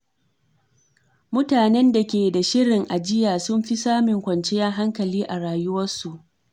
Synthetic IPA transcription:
mʊ˦taː˨nɛ˦nda˨kʲeː˨da˨ʃɪ˦ɽɪ˨ŋʔa˨d͡ʒɪ˦jaː˨sʊ˦mɸi˦saː˦mɪ˨ŋkʷɐ˨nt͡ʃe˦jaː˦ɦa˦ŋkɐ˨liː˦ʔa˨ɽaː˨jʊ˦wɐ˦su˨ʔ

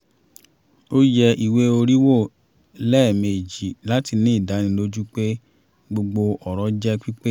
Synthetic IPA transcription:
o˦jɛ˧ʔi˨we˦o˧ɾi˦wo˦˨ | lɛ˦˨me˨d͡ʒi˨la˨˦ti˧nĩ˦i˦˨da˨˦nĩ˧lo˦d͡ʒu˦k͡pe˦ | ɡ͡bo˧ɡ͡bo˧ʔɔ˨ɾɔ˨˦d͡ʒɛ˦k͡pi˦k͡pe˦

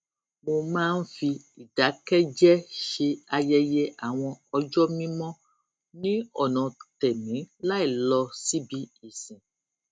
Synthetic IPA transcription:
mo˧mãː˦n̩˦fi˧ | i˨d̥a˨˦kɛ˦d͡ʒɛ˦ʃe˧a˧jɛ˧je˦ʔa˨w̃ɔ̃˧ɔ˧d͡ʒɔ˦mĩ˦mɔ̃˦ | nĩ˦ɔ˨nɔ̃˨tɛ˨mĩ˨˦la˦i˨lɔ˧si˦bi˧i˨sĩ˨

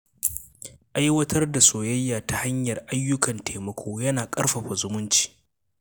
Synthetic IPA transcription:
ʔa˦jwɐ˦tʰɐ˦rda˨soː˨jɐ˦jːaː˨ta˨ha˦ɲjɐ˨rʔa˦jːʊ˦kɐ˨ntʰeː˨mɐ˦kʷʰoː˦jɐ˦naː˨kʼɐ˦rɸɐ˨ɸɐ˨zʊ˦mʊ˦nt͡ʃi̥ː˨

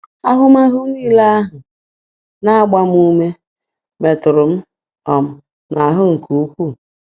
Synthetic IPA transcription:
a˦ɦʊ˦m̩˦a˦ɦʊ˦m̩˦i˦la˦a˦ɦʊ˨ | na˦a˦˨ɡ͡ba˦m̩˦u˦me˦ | me˨tʊ˨ɾʊ˨m̩˦ | ɔ˨m̩˦ | na˨a˨ɦʊ˦ŋ̩˨kʰu˨u˦kʷu˦˨

